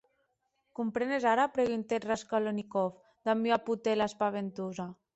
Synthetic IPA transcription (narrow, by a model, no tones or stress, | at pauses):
kumpɾenezaɾapɾeɣunt̪et̪raskalonikof | d̪amiaput̪elaespaβent̪uza